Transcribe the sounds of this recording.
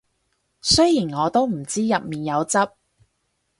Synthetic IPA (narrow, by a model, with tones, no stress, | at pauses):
sɵ˥jiː˨˩nŋɔː˨˧t̪o˥wm̩˨˩t͡siː˥jɐ˨p̚miː˨njɐ˨˧wt͡sɐ˥p̚